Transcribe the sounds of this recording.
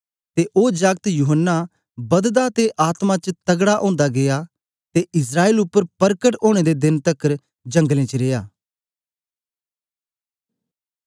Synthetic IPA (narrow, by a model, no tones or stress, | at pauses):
t̪eʔoːd͡ʒaɡt̪juːɦənːa | bɐd̪d̪at̪eʔaːt̪mãt͡ʃət̪ɐɡɽaʔõ̰ːnd̪aɡeja | t̪eʔɪs̬ɾaːeːlʊpːəɾpəɾkəʈoːɽ̃ed̪ed̪ɪnt̪əkːəɾ | d͡ʒɐ̃ŋɡlẽt͡ʃəɾeːjaː